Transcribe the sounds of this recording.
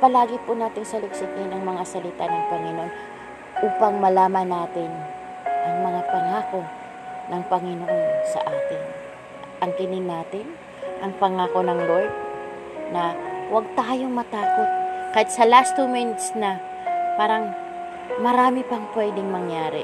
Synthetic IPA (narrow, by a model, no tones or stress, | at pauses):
pɐlaːɡɪpʊnaːt̪ɪŋsɐlɪksɪt̪ɛnɐŋmɐŋasɐlɪt̪anɐŋpɐŋɪnoʔon | ʔuːpɐŋmɐlaːmɐnaːt̪ɪn | ʔɐŋmɐŋapɐŋaːko̞ | nɐŋpɐŋɪnoʔonsɐ̰ʔaːt̪ɪn | ʔɐŋkɪnɪnːaːt̪ɪn | ʔɐŋpɐŋaːko̞nɐŋlojt̚ | nɐwɐɡ̚t̪aːjo̞ŋmɐt̪aːko̞t̪̚kɐjɪt̪sɐlast̪umɪnt̪snɐ | paːɾɐŋ | mɐɾaːmɪpɐŋpwɛd̪ɪŋmɐŋjaːɾɪ̰